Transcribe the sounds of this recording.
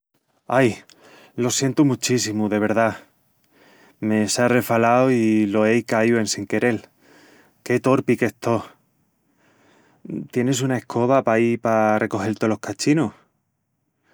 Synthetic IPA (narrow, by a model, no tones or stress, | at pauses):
aj | lo̞sje̞nt̪umut͡ʃisimuðe̞β̞e̞ɾða | me̞sare̞falawilo̞e̞jkaioe̞nseŋke̞ɾe̞l | ke̞t̪o̞ɾpike̞st̪o̞ | t̪je̞ne̞sunae̞hkʰo̞βapaipare̞ko̞xe̞lt̪e̞lo̞hkat͡ʃino